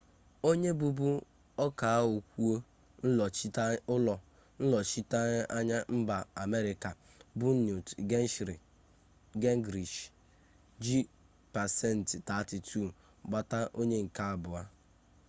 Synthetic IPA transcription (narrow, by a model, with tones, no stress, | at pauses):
o˦ɲe˦bu˦bu˦ | ɔ˦ka˨a˦ɦʊ˨kʷu˦o˦ | n̩˦˨˦ʊ˦lɔ˨ | n̩˦lɔ˨t͡ʃi˦ta˦ɲ˦ʔa˦ɲa˦m̩˦ba˨a˨me˦ɾɪ˨ka˨ | bu˦nu˨tɡe˦n˦ʃɾi˨ | ɡe˦ŋ˦ɡɾi˨ʃ | d͡ʒi˦ | pa˨sɛ˦n̩˨tta˨ti˨tʰu˦˨ | ɡ͡ba˦ta˦ʔo˦ɲe˦ŋ̩˨ka˦a˦˨bʊ˨a˦